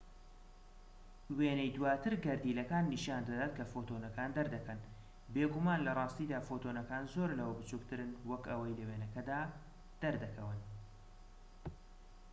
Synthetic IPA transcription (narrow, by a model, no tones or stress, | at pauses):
weːnɛjd̪uwaːt̪ʰɨɾɡɐɾd̪iːlɐkaːnːiʃaːnd̪ɐd̪aːt̪̚kʰɐfot̪onɐkaːnd̪ɐɾd̪ɐkɐn | beːɡumanlɐrˤɑːst̪iːd̪aːfot̪onɐkaːnzoɾlɐwɐbɨt͡ʃukt̪ʰɨɾɨnwɐkɐwɐjlɐweːnɐkɐd̪aː | d̪̥ɐɾd̪ɐkʰɐwɨn